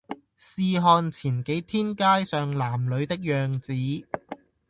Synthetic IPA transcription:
siː˧ɦɔː˧nt͡sʰiː˨˩nke˨˥jt̪ʰiː˥nkaː˥jsœː˨ŋlaː˨˩mlɵ˨˧ɥt̪ɪ˥k̚jœː˨ŋt͡siː˨˥

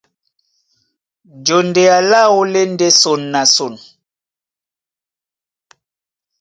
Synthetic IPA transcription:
d͡ʒo˨nde˨a˨la˦wo˦le˦ndɛ˦so˨nːa˨so˨n

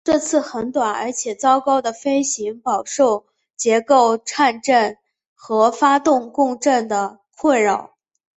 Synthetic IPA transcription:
ʈ͡ʂɤ˥˧t͡sʰɹ̩˥˩xə˧˥nt̪wa˨˩nə̰˧˥t͡ɕʰjɛ˨˩t͡sɑ˥ʊkɑ˥ʊd̪ə˨fe˥ɪɕi˧˥ŋpɑ˨˩ʊʂo˥˩ʊ | t͡ɕjɛ˧˥ko˥˩ʊʈ͡ʂʰa˥˧nʈ͡ʂə˥˩n | xɤ˧˥fa˥t̪ʊ˥˧ŋkʊ˥˧ŋʈ͡ʂə˥˩nd̪ə˩ | kʰwe˥˩ɪɻɑ˨˩ʊ

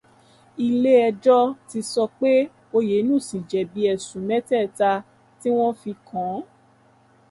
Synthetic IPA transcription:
i˧le˦ɛ˧d͡ʒɔ˦ti˧sɔ˧k͡pe˦ | o˧je˨˦nũ˦˨sĩ˨d͡ʒɛ˨bi˨˦ɛ˨sũ˨˦mɛ̃˦tɛ˦˨ta˧ | ti˦w̃ɔ̃˦fi˧kã˨˦

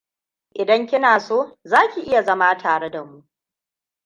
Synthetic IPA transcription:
ʔɪ˨dɐ˦ŋkʲɪ˦naː˨soː˦zaː˦kʲi˨ʔɪ˦ja˨zɐ˦ma˦tʰaː˨ɽe˦da˨mu˦ʔ

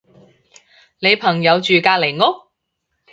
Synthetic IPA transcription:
ne˨˧jpʰɐ˨˩ŋjɐ˨˧wt͡ʃyː˨kaː˧k̚le˨˩jŋɔː˥

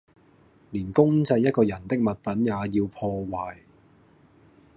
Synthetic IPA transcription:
liː˨˩nkʊ˥ŋt͡sɐ˧jːɐ˥t̚kɔː˧jɐ˨˩nt̪ɪ˥k̚mɐ˨t̚pɐ˨˥njaː˨˧jiː˧wpʰɔː˧waː˨˩j

